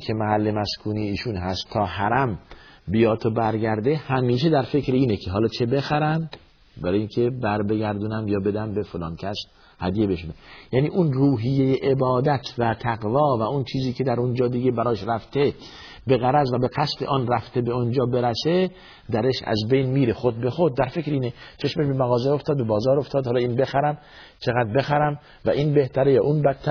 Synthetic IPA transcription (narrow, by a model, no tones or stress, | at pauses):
kʰe̞mæhælːe̞mæskʰuːniːʃuːnɦæst̪ʰːɒːhæɾæmbijɒːt̪ʰobæɾɟæɾd̪e̞hæmiːʃed̪æɾfe̞kɾiiːnekʰeɦɒːlɒːt͡ʃʰe̞be̞xæɾænd̪ | bæɾɒːjiŋkʰe̞bæɾbe̞ɡæɾd̪unæmjɒːbe̞d̪æmbe̞folɒːncʲʰæs | hæd̪ijebe̞ʃod̪æmjæːniːʔunruːɦijːejeʔebɒːd̪æt̪ʰvæt̪ʰæɡvɒːvæunt͡ʃʰiːziːkʰʲe̞d̪æɾund͡ʒɒːd̪iːɡebæɾɒːjeʃɾæft̪ʰe | be̞ɣæɾæzvæbeqæslḛʔɒːnræft̪e̞beond͡ʒɒːbe̞ɾæse | d̪æɾeʃæ̰zbejnmiːɾexod̪̚bexod̪̚ːæɾfe̞kɾiːnet͡ʃʰe̞ʃmeʃbe̞mæɣɒːzeoft̪ɒːd̪̚be̞bɒːzɒːɾo̞ft̪ʰɒːd̪hɑlːiːnbe̞xæɾæm | t͡ʃʰeɣæd̪̚be̞xæɾæm | væʔiːnbeht̪ʰæɾejɒʔunbæt̪ʰːæ